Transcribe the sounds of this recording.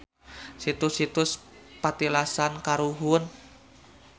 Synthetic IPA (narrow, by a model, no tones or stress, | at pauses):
sit̪ʊsit̪ʊspat̪ilasankaɾuɦuən